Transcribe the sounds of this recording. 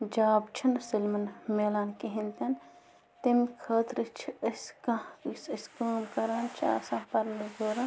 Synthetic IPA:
d͡ʒaːbt͡ʃʰɐnsilmɐnmeːlaːnkiɦĩnt̪ɐn | t̪imkʰɐːt̪ɾɨt͡ʃʰiɐskãsɐskəːmkɐɾaːnt͡ʃʰḭɐ̰sãːpɐɾnɐzoːɾã

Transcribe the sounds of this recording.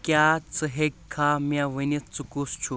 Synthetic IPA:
kjat͡sɨɦekʰːamjaʋənit͡sukust͡ʃʰu

